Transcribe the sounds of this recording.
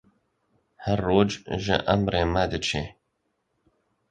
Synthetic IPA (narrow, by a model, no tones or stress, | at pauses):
hæɾːoːd͡ʒʒɪ̰ʔɐmɾeːmɐd̪ɨt͡ʃʰeː